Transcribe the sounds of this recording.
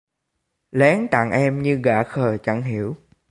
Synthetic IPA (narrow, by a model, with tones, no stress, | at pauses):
lɛ˨˦ŋt̪a̰˧˨ŋʔɛ˧mɲɨ˧ɣa̰ː˧˥xəː˨˩t͡ɕa̰˧˥ŋɦi˧˩əw